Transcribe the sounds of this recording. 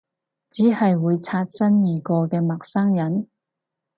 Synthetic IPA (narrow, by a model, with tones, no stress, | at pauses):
t͡siː˨˥hɐ˨jwuː˨˧jt͡sʰaː˧t̚t͡sɐ˥njiː˨˩kɔː˧kɛː˧mɐ˨k̚sɐ˥ŋjɐ˨˥n